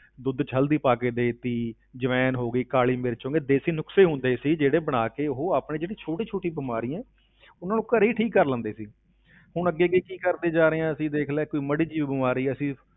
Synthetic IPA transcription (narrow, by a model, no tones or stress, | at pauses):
d̪ʊd̪t͡ʃʰəld̪iːpaːkeːd̪eːt̪iː | d͡ʒəʋɛːnɦoːɡiːkaːliːmɪɾt͡ʃɔ̃ːɡeːd̪eːsiːnʊkseːɦʊ̃nd̪eːsiːd͡ʒeːɽeːbəɽ̃aːkeːʊɦoːaːpneːd͡ʒeːɽiːt͡ʃʰoːʈiːt͡ʃʰoːʈiːbɪmaːɾiːɛ̃ː | ʊnãːnũːkəɾiːʈʰiːkːəɾlə̃ːnd̪eːsiː | hʊɳəɡːeːəɡeːkiːkəɾd̪eːd͡ʒaːɾəeːãːəsĩːd̪eːkʰlɛːkoiːməɽiːd͡ʒiːʋbəmaːɾiːəsĩː